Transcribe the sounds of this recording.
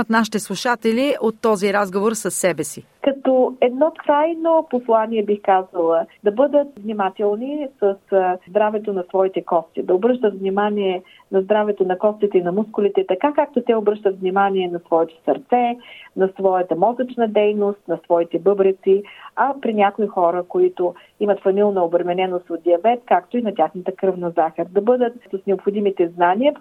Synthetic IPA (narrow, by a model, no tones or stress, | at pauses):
t̪naʃit̪ɛslˠuʃat̪ɛliʔot̪ːɔziɾazɡovoɾsɐsːɛbɛsikɐt̪ɔɛd̪nɔkɾajnoposlˠaniɛbixkazəlˠəd̪ɐbɤd̪ət̪vnʲimat̪ɛlˠnisəsd̪ɾavɛt̪onɐsvɔit̪ɛkɔst̪id̪ɐobɾɤʃt̪ət̪vnimaniɛ | nɐzd̪ɾavɛt̪onɐkɔst̪it̪ɛinɐmuskʊlit̪ɛt̪ɐkakak̚t̪ot̪ɛobɾɤʃt̪ət̪vnʲimaniɛnɐsvɔɛt̪o̥sɐɾt̪sɛnɐsvɔjət̪əmɔzət͡ʃnəd̪ɛjnost̪nɐsvɔit̪ɛbɤbɾət̪siɐpɾinʲakoixɔɾəkoit̪o | imət̪fɐmilˠnɐobɾɛmɛnɛnost̪ot̪̚d̪iɐbɛt̪̚kakt̪oinɐt̪ʲaxnət̪əkɾɤvnɐzaxəɾd̪ɐbɤd̪ət̪̚səsnɛopxʊd̪imit̪ɛznaniə